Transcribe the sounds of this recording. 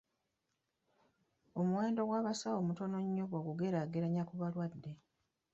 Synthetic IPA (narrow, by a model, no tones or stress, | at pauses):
o̞muwe̞ːndo̞ɡwaːβasawo̞muto̞no̞ɲːoɡwoɡuɡe̞ɾaɡeɾaɲakuβalwadːe̞